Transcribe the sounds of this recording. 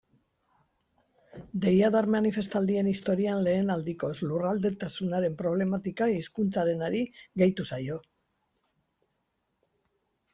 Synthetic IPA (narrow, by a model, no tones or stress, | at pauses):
d̪e̞jaðaɾmanife̞st̪ald̪ie̞nist̪o̞ɾianle̞ːnald̪iko̞slurald̪e̞t̪asunaɾe̞mpɾo̞β̞le̞mat̪ikaiskunt͡saɾe̞naɾiɣejt̪usajo̞